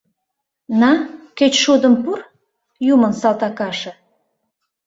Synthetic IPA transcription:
nɑkøt͡ɕʃud̪ə̆mpur | jumənsɑlt̪ɑkɑʃɤ̆

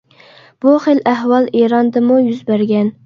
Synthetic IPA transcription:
b̥uχelæɦwɑlˠeɾɑnd̪ɨmujyzbæɾɡʲɛn

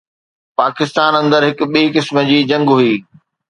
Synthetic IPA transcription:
paːkɪst̪aːnɐ̃nd̪əɾɦɪkʊ̆ɓiːkɪsmə̆d͡ʑiːd͡ʑɐ̃ŋɡɦʊiː

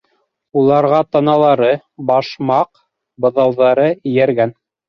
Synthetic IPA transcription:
ulˠɑɾʁɑt̪ɑnɑlˠɑɾɤ | bɑʃmɑq | bɤ̆ðɑwðɑɾɤɘ̆jæɾɡæn

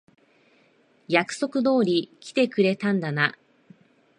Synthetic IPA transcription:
jakɯ̟̥so̞kɯ̟d̪o̞ːɾʲikʲi̥t̪e̞kɯ̟ɾe̞t̪ãnd̪ana

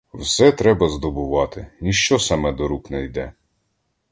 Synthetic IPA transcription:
wsɛt̪ɾɛbɐzd̪ɔbʊʋɑt̪ɪnʲiʃt͡ʃɔsɑmɛd̪ɔɾuknɛjd̪ɛ

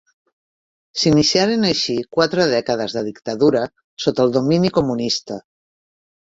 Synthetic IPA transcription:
sinisiaɾenaʃikwat̪ɾəð̞ɛkəð̞əzðəðikt̪aðuɾə | sot̪əlˠd̪ominikumunist̪ə

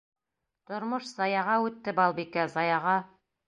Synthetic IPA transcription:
t̪ŏɾmoʃzɑjɑʁɑʉt̪ːɘbɑlˠbikæzɑjɑʁɑ

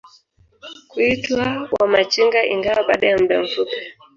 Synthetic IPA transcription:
kuitwawamat͡ʃiŋɡaʔiŋɡawaɓaːɗajam̩bɛɱ̩fupɛ̥

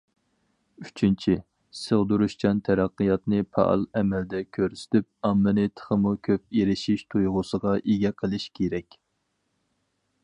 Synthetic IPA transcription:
yt͡ʃʰynt͡ʃʰi | səʁd̪uɾuʃt͡ʃɑnt̪ʰɛɾɑqːəjɑt̪nɨpʰɑ̰ʔɑ̰lˠɛmɛld̪ɛkʲʰøɾsy̥t̪yp̚ɑmːɨnɨt̪ʰə̥χəmukʲʰøp̚eɾɪʃiʃt̪ʰujʁʊsəʁɑʔeɡʲɛqʰəlˠɨʃkʲʰeɾɛkʲ

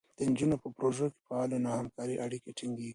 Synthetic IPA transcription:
d̪̥ənd͡ʒunopəpɾoʒoke̥pəawalanahamkɑɾiʔaɽikeʈiŋɡi

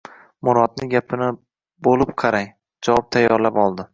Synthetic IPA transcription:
mʊɾɒd̪̚nɪɡʲapʰɪnɪ | bolˠɪpqʰɑɾajŋ | d͡ʒavɒp̚t̪ʰajːɒɾlapɒlˠd̪ɪ

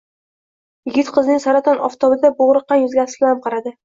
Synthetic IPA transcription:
jɪɡʲɪt̪qʰɨznɪŋsaɾat̪ʰɒnɒft̪ʰɒbɪd̪aboʁɾɨqːɑnjʊzɡʲasɪbmqʰɑɾad̪ɪ

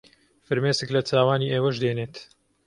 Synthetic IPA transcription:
fɨɾmeːsɨklɐt̪ʰaːwaːniːʔeːwɐʃd̪eːneːt̪

